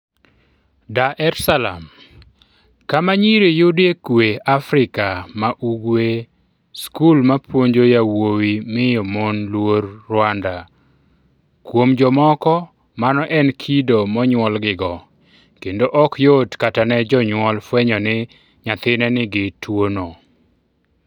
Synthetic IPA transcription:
daʔɛɾsala̰m | kamaɲiɾejʊdekweafɾɪkamaʔuɡwe | skulmapwoɲd͡ʒojawowimɪjomonlwoɾːwanda | kwomd͡ʒɔmɔkɔ | manɔʔɛnkʰidomɔɲwɔlɡɪɡɔ | kendoʔɔkjotkatanɛd͡ʒɔɲwɔlfwɛɲɔnɪ | ɲat̪ɪnɛnɪɡɪtwono

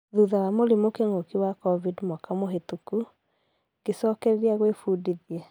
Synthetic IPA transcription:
ðuðaɾamoɾemokeŋokiwakɔvidmwɔkamoɦetuku | kesɔːkɛɾeɾiaɣwefuːdiðiɛ

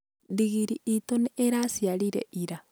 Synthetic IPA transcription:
diɣiɾiitoneeɾasjaɾiɾɛ̰ʔiɾa

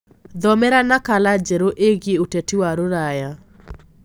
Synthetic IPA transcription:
d̪ɔmɛɾanakalad͡ʒeɾoʔeɣjeotetiwaɾoɾaja

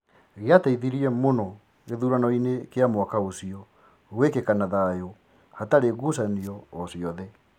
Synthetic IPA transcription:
ɣeataiðiɾiɛmonɔ | ɣeðuɾanɔinekeamwakaosiɔ | wekekanaðajo | hataɾeɣusaniɔːsiɔðɛ

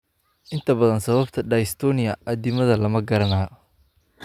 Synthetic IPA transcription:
ʔɪnt̪ʰɐbɐðɐnsɐβɐbt̪ʰɐɖɐjɪst̪ʰɔnɪjɐʔɐd̪ɪmɐðɐlɐmɐɡɐɾɐnaːjɔ

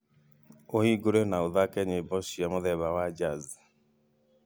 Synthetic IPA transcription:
ohiɡoɾenaoðakɛɲebɔʃiamoðɛβawad͡ʒaz

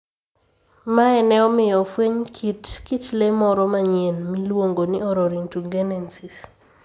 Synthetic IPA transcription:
maɛnɛɔmɪjɔfweɲkʰitkitlemɔɾɔmaɲenmilwoŋɡonɪɔɾɔɾintuɡɛnɛnsis

